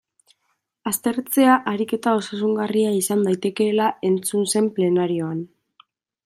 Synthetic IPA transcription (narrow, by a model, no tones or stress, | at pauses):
ast̪e̞ɾt͡se̞aʔaɾike̞t̪ao̞sasuŋɡariaisand̪ajt̪e̞ke̞lae̞nt͡sunse̞mple̞naɾio̞an